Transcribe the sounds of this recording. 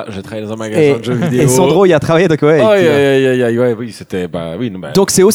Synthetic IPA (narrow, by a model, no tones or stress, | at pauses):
ʒət̪χavajedɑ̃zɛ̃maɡaeɛd̪əʒø̃vid̪eːsɑ̃d̪ʁoilat̪χavajed̪ɔ̃kwɛajaajajwɛwiset̪ɛba̰wiñba̰d̪ɔ̃ksɛo